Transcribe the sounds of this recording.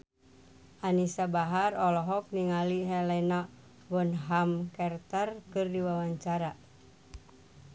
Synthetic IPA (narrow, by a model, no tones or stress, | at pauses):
ʔanisabaɦarɔlɔɦɔk̚niŋaliɦɛlɛna | bɔnɦamkɛrt̪arkɨrdiwawaɲt͡ʃaɾa